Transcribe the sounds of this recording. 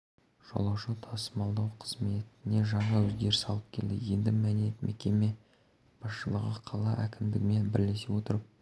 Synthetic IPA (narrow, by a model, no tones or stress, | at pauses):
ʒ̥o̰lˠɑwʃət̪ʰɑsəmɑlˠd̪ɑwqʰəz̥me̞t̪ɪne̞ʒɑɴɑwɵzɡʲe̞ɾɪsɑlˠəp̚kʲʰe̞ld̪ɪ̰je̞nd̪ɪmænet̪mʔe̞kʲe̞me̞ | b̥ɑsʃəlˠəʁəqʰɑlˠɑʔækʲɪmd̪ɪɡʲɪme̞nbɪɾle̞sewo̞t̪əɾəp̚